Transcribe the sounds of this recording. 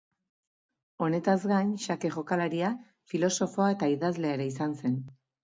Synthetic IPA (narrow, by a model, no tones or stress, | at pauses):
o̞ne̞t̪azɡajnʃake̞ʝo̞kalaɾia | filo̞so̞fo̞ae̞t̪aiðazle̞ːɾeisanse̞n